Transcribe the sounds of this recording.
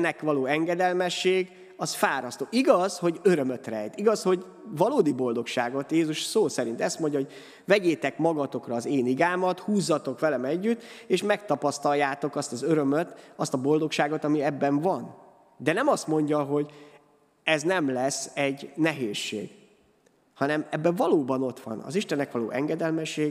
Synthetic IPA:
nːɛkʋɒloːɛŋɡɛd̪ɛlmɛʃːeːɡ | ɒsfaːɾɒst̪oːʔiɡɒzho̞ɟøɾø̞møt̪rɛjt̪iɡɒsho̞ɟ | vɒloːd̪ibo̞ld̪o̞kʃaːɡo̞t̪jeːzuʃsoːsɛɾint̪ɛst̪mo̞ɲɟɒɦo̞ɟ | vɛɟeːt̪ɛkmɒɡɒt̪o̞krɒːzeːniɡaːmɒt̪huːzːɒt̪o̞kʋɛlɛmɛɟːyt̪ːeːʃmɛk̚t̪ɒpɒst̪ɒjːaːt̪o̞kɒst̪ɒzøɾømøt̪ɒst̪ɒbo̞ld̪o̞kʃaːɡo̞t̪ɒmiɛbːɛɱvɒn | d̪ɛnɛmɒst̪mo̞ɲɟɒɦo̞ɟ | ɛznɛmlɛsːɛɟnɛɦeːʃːḛːɡ | hɒnɛmɛbːɛɱvɒloːbɒno̞t̪ʋɒ̰nɒ̰ziʃt̪ɛnːɛkʋɒlo̰ːʔɛŋɡɛd̪ɛlmɛʃːeː

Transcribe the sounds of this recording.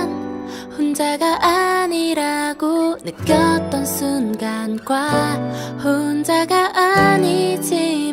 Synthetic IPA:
hond͡ʑaɡaʔaɲiɾaɡonɯkk͈jʌt̚t͈ʌnsʰunɡanɡwa | hond͡ʑaɡaʔaɲid͡ʑi

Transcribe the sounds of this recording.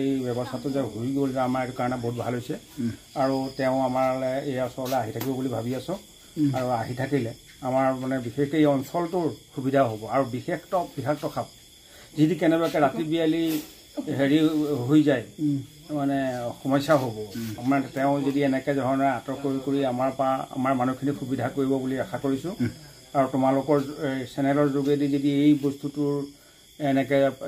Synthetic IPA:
ejbɛbɔstʰatʊzɛɦoiɡolzɛamaɹɛtʊkaɹɔnɛboɦut̚bʱa̰lɦojsɛ | aɹutɛʊ̃amaɹlɛejɔnsɔlɔlɛaɦitʰakibɔbulibʱabiasʊ̃ | aɹuaɦitʰakilɛ | amaɹmanɛbixexejɔnsɔltʊɹxubidʱaɦobɔaɹubixextɔb̥ikʰaxtɔkʰap̚ | zidikɛnɛbakɛɹatibijali | ɦeɹiɦojzaj | manɛxɔmɔjsaɦobɔmanɛtɛʊ̃zodiɛnɛkɛzɔɦɔnɛatɔkoɹikoɹiamaɹpaa̰maɹmanukʰinixubidʱakoɹibɔbuliaxʰakoɹisʊ̃ | aɹutʊmalʊkɔɹsɛnɛlɔɹzoɡedizodiejbɔstutʊɹ | ɛnɛkɛ

